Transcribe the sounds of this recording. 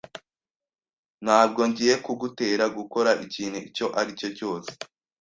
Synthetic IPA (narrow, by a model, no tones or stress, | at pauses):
n̥haːb̚ɡo̞ɲɟije̞kuɡute̞ːɾaɡuko̞ɾaʔiciːn̥huico̞ʔaɾico̞co̞ːse̥